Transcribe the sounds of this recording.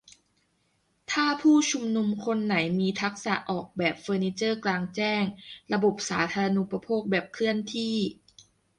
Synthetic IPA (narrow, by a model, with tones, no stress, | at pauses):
t̪ʰaː˥˩pʰuː˥˩t͡ɕʰu˧mnu˧mkʰo˧nːa˩˦jmiː˧t̪ʰa˦˥k̚sa̰˨˩ʔɔː˨˩k̚bɛː˨˩p̚fɤː˧niː˧t͡ɕɤː˥˩klaː˧ŋt͡ɕɛː˥˩ŋɾa˧bo˨˩p̚saː˩˦t̪ʰaː˧ɾa˧nu˨˦pa˧pʰoː˥˩k̚bɛː˨˩p̚kʰɾɯ˥˩ənt̪ʰiː˥˩